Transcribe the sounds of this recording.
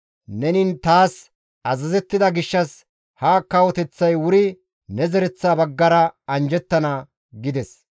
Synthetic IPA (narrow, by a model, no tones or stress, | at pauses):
nɛnɪnt̪aːs | ɐzɐzɛt̪ːɪd̪ɐɡɪʃːɐs | hɐkːɐwɔt̪ɛt͡sːɐjwʊɾɪ | nɛzɛɾɛt͡sːaːbɐɡːɐɾɐɐnd͡ʒɛt̪ːɐnɐ | ɡɪd̪ɛs